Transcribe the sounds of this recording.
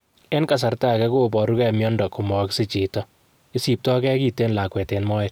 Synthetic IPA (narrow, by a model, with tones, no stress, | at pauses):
e˦nka˨s̬a˨ɾta˦kɛ˦kobɔ˨ɾu˦kɛ˦mjɔ˦ndɔ˨ku˨mɔ˨ksɪ˦t͡ʃi˨tɔ˦ | i˦si˨p̚tɔ˦kɛ˦ki˨te˦nla˨kwɛ˨te˨nmɔː˦ɪ